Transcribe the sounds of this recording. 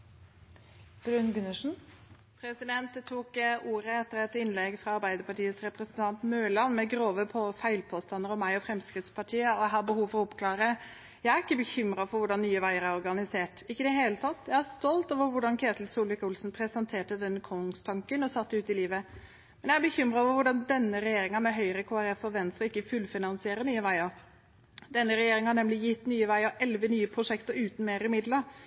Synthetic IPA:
b̥ɾʉnɡʉnəʂn̩ | pʰɾɛsɪd̪ɛnt̪t̪ʰuːkʔuːɾəɛt̪ːəɾɛt̪ɪnlɛɡfɾɑɑɾbæɪd̪əɾpɑʈiːəsɾɛpɾəsnt̪ʰɑnt̪møːlɑnmɛɡɾoːʋəpʰɔfæɪlpʰɔːst̪ɑnd̪əɾɔmæɪɔfɾɛmskɾɪt̪spʰɑʈʰiːəɔæɦɑbəhuːʋfɔɾʊpkʰlɑːɾə | jæɪæɾɪkːəbəçʏmɾɑfɔɾʋʊɖɑnːyːəʋæɪəɾæɾɔɾɡɑnɪseːʈɪkːəd̪ɛɦeːlət̪ʰɑt̪ːjæɪæst̪ɔlt̪oːʋəɾʋʊɖɑnkʰeːt̪lsuːlʋɪkʊlsnpʰɾɛsɛnt̪ʰeːʈəd̪ɛnːəkʰʊŋst̪ʰɑŋkənɔsɑt̪ːəʉːt̪ɪliːʋə | mɛnjæɪæbəçʏmɾɑɔːʋəɾʋʊɖɑnd̪ɛnːəɾɛjeːɾɪŋɑmɛɦœʏɾəkʰoːæɾɛfɔʋɛnst̪ɾəɪkːəfʉlfɪnɑnsɪeːɾəɾɳnyːəʋæɪɔ | d̪ɛnːəɾɛjeːɾɪŋhɑɳɛmlɪjɪt̪ːnyːəʋæɪɔʔɛlʋənyːəpʰɾʊʂɛkt̪əɾʉːt̪n̩meːɾəmɪd̪ləɾ

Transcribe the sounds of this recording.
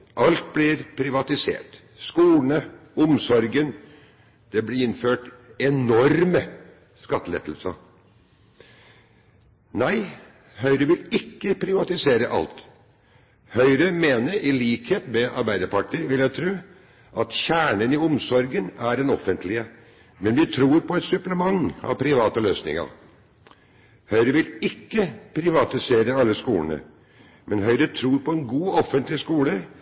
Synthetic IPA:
ʔɑlt̪̚blɪɾpʰɾɪʋɑt̪ɪsḛːʈ | skuːlnəɔmsɔɾɡən | d̪̥ɛblɪɪnføːʈɛnɔɾmə | skɑt̪ːəlɛ̰ːt̪lsɑ̰ | næɪ | hœʏɾəʋɪlɪkːəpʰɾɪʋɑt̪ɪseːɾəʔɑ̰lt̪ | hœʏɾəmeːnəɾʔɪliːkheːt̪mɛɑ̰ɾbæɪd̪əɾpɑʈiːʋɪljæɪt̪ʰɾʉː | ʔɑt̪çæːɳənɪɔmsɔɾɡənæɾɛnɔfənt̪ʰlɪə | mɛnʋɪt̪ʰɾuːɾpʰɔɛt̪sʉpləmɑŋːɑ̰ʋpʰɾɪʋɑːt̪əløːsnɪ̰ŋə̰ɾ | hœʏɾəʋɪlɪkːəpʰɾɪʋɑt̪ɪseːɾəɑlːəskuːənə̰ | mʔɛnɦœʏɾət̪ʰɾuːɾpʰɔɛnɡuːɔfənt̪lɪskuːlə

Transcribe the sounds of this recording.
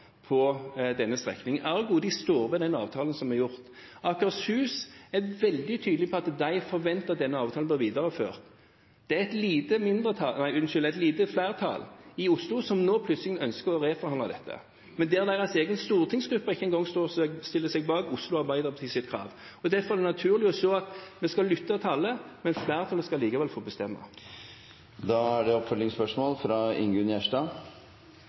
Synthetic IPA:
pʰɔd̪ɛnːəst̪ʁɛ̰knɪŋæʁɡuːd̪ɪst̪oːɾʋɛd̪ɛnɑ̰ːʋt̪ʰɑːlənsɔmɛɾjʊʁt̪ | ɑkəʁshʉːsæʋɛld̪ɪt̪ʰyːd̪lɪpʰɔɑt̪d̪æɪfɔɾʋɛnt̪əʁd̪ɛnːəɑːʋt̪ʰɑːl̩b̪ɪːʁʋiːd̪ɑʁəfø̰ːʁt̪ | d̪̥ɛɛt̪liːt̪əmɪnd̪ʁət̪ʰɑnæɪʉnʃʏlæt̪liːt̪əflæɪʁt̪ʰɑ̰ːlɪʊslʊsɔmnoːpʰlʉt̪slɪŋənœnskəʁɔɾʁeːfɔʁhɑnɑd̪ɛt̪ʰːə̰ | mɛnd̪ɛːʁd̪æɪʁɑseːɡənst̪uːʁt̪ʰɪŋsɡɾʉpːɑɪçːəɛŋɡɔŋːst̪oːsɛɡst̪ɪlːəsɛɡbɑːɡʊslʊɑʁbæɪd̪əʁt̪ʰɪsɪt̪kʰʁɑ̰ːʋ | ɔd̪ɛfɔɾʁɛɛnɑt̪ʰʉːʁlɪɔsoːɑt̪mɛskɑlʏt̪ːət̪ʰɑlːəmɛnflæɪʁt̪ʰɑːləskɑliːkɑʋɛlfobɛst̪ɛmːə̰ | d̪ɑæɖɛɔpfœlːɪŋspœʂmoːlfɾɑɪ̰ŋɡʉnjæʂʈɑ

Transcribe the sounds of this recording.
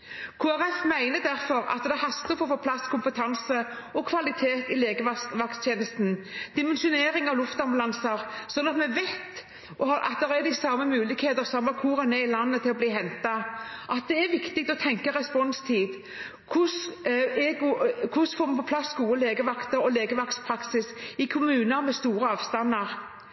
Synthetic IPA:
kʰuæɾɛfmæɪnəd̪æɾfɔɾɑ̰t̪d̪ɛhɑst̪əfɔfɔːpʰlɑskʰʊmpət̪ʰɑnsə | ɔkʰʋɑlɪt̪ʰeːt̪ɪleːɡəʋɑʋɑkt̪ʰeːnəst̪n̩d̪̥ɪmɛnʃʊneːɾɪŋɑʋlʊft̪ɑmblɑnsɑɾsɔnːɑt̪mɛʋæt̪ | ʔɔhɑɾʔɑ̰t̪d̪ɛʁæd̪ɪsɑmːəmʉːlɪkheːt̪əʁsɔmːɑkʰuːʁənɛɪlɑnːət̪ʰɪlɔbliːɦɛnt̪ɑʔɑt̪̚d̪ɛæɾʋɪkt̪ɪɡ̚t̪ɔt̪ʰɛŋkəʁɛspɔnst̪ʰiːd̪ | kʰʊsɛɡkʰʊsfoːmɛpʰɔpʰlɑsːɡuːəleːɡəʋɑkt̪əɾɔleːɡəʋɑkspʰɾɑksɪsɪkʰʊmʉːnəɾmɛst̪uːɾəɑːʋst̪ɑnːəʁ

